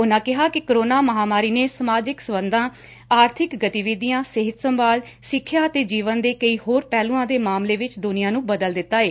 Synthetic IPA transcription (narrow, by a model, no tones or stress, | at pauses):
ʊnãːkɪɦaːkɪkəɾoːnaːməɦaːmaːɾiːneːsəmaːd͡ʒɪksəbənd̪ãː | aːɾt̪ʰɪkɡət̪ɪʋiːd̪ijãːsɪɦɪt̪səmbaːl | sɪkʰːjaːət̪eːd͡ʒiːʋənd̪eːkəiːɦoːɾpɛːlũːãːd̪eːmaːmleːʋɪt͡ʃd̪ʊnɪjãːnũːbəd̪əld̪ɪt̪ːaːeː